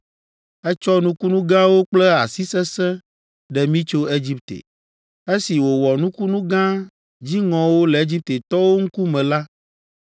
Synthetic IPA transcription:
ɛ˦t͡ʃɔ˦nũ˦ku˦nũ˦ɡã˦wo˦k͡plɛ˦a˨si˦sɛ˦sɛ̃˦ | ɖɛ˨mĩ˦t͡ʃo˦e˦d͡ʑi˦p̚t̪ḛ˨ | e˦si˨wo˨wɔ˨nũ˦ku˦nũ˦ɡã˦ | d͡ʑi˦ŋɔ̃˨wo˦lɛ˨e˦d͡ʑi˦p̚t̪e˨t̪ɔ˦wo˦ŋ̩˦ku˦mɛ̃˨la˦

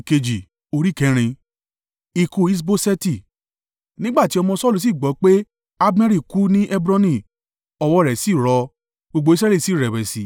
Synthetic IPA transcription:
ke˧d͡ʒi˨ | o˧ɾi˦˨kɛ̃˨˦ɾ̃ĩ˧ | i˧ku˧i˦s̬bo˦sɛ˦ti˦˨ | nĩ˦ɡ͡ba˦˨ti˨˦ɔ˧mɔ̃˧sɔ˦˨lu˨si˦˨ɡ͡bɔ˨˦k͡pe˦ | a˦bmɛ˦ɾi˦˨ku˦nĩ˦ʔɛ˦bɾɔ̃˦nĩ˦˨ | ɔ˧wɔ˧˦˧ɾɛ˨si˨˦˨ɾɔ˧ | ɡ͡bo˧ɡ͡bo˧˦i˦s̬ɾɛ˦li˦˨si˨˦˨ɾɛ˨wɛ˨si˨˦

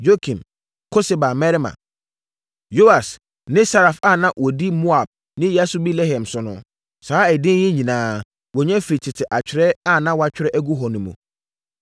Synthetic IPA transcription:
d͡ʒo˦kʰĩ˨m | kʰo˦se˨ba˨mɛ˦ɾmã̰˨ | jo˦a˨s | nɪ̃˦sa˦ɾa˨fa˦˨nã˦wɔ˨di˦mo˦a˨b̥̚ | nɪ̃˦ja˦sʊ˦bi˦le˦ɦɛ̃˨msʊ˨nʊ̰̃˨ | saː˦ɛ˨dɪ̃˦n˦jɛ˦ɲĩ˨nãː˨˦ | wɔ˨ɲɛ̃˦fi˨i˨tʰɪ˨tʰɪ˨ʔa˨t͡ɕʰᶣɪ˨ɾɛ˦a˦˨nã˦wa˦t͡ɕᶣɪ˦ɾɛ˦ʔæ˦ɡu˦ɦɔ˨nʊ̃˨mṵ̃˨

